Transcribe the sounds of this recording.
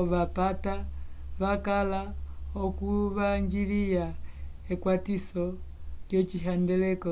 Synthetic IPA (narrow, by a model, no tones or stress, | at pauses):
ʋapataʋakalaɔkuʋaɲd͡ʒilija | ɛkwatisɔt͡ʃɔt͡ʃiɦandɛlɛkɔ